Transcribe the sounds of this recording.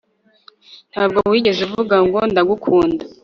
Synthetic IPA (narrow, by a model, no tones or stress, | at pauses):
n̥haːb̚ɡo̞wiːɟe̞zuvuɡaŋɡo̞ndaɡukʰuːnda